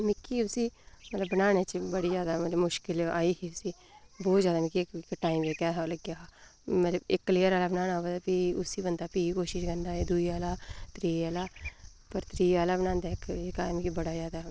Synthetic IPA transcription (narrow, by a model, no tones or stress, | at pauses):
mɪkʰːiːʊsiːmət̪ləbːənaːnet͡ʃbəɽiːzjaːd̪aːmət̪ləbmʊʃkɪla̰ːiːɦiːʊsiː | bɔːt̪zjaːd̪aːmɪkːikkʈaːiːmeːkaːɦləɡjamət̪ləbɪkːliːəɾaːlaːbənaːnaːobəlbiːʊsiːbənd̪aːpiːikoːʃɪʃkənd̪aːɦeːd̪uiːaːlaːt̪ɾiːaːlaː | pəɾt̪ɾiːaːlaːbənãːnd̪aːkɪkaːmɪkibəɽaːzjaːd̪aː